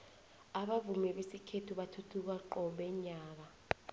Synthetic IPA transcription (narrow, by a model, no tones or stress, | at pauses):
aɓavumɛɓesikʰetʰuɓatʰutʰuk̬aǃɔɓɛɲaːk̬a